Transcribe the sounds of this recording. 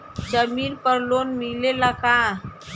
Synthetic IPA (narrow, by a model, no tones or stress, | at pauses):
d͡ʑəmilpəɾlonmilelaka